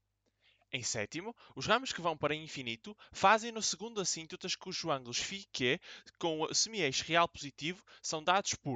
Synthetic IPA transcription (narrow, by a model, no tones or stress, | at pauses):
ẽj̃sɛ̰t̪imuuʒʁɐmuʃkɨvɐ̃w̃pɐɾɐĩfinit̪ufazẽj̃nusɨɣũnd̪uɐsĩnt̪ut̪ɐʃkuʒuɐ̃ŋɡlˠuʃfikekõsɨmiejʃʁialˠpuzit̪ivusɐ̃w̃d̪aðuʃpuɾ